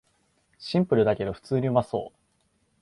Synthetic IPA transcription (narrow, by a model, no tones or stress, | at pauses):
ɕĩmpɯ̟ɾɯ̟d̪ake̞d̪o̞ɸɯ̟̥t͡sɨːɲ̟iomaso̞̰ː